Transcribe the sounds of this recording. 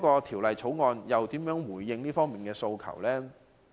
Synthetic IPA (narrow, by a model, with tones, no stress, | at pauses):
kɔː˧t̪ʰiː˨˩wlɐ˨jt͡sʰo˨˥wŋɔː˧njɐ˨wt̪iː˨˥mjœː˨˥ŋwuː˨˩jːɪ˧ŋniː˥fɔː˥ŋmiː˨˩nkɛː˧so˧wkʰɐ̰˨˩wlɛː˥